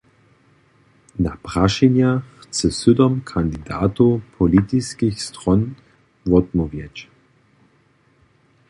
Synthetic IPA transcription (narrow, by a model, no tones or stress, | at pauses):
napʁaʃɛnjaxt͡sɛsʏd̪ɔmkʰand̪id̪a̰ːt̪upʰɔlit̪iskixst̪ʁɔn | vɔd̪mɔvjɛt͡ɕ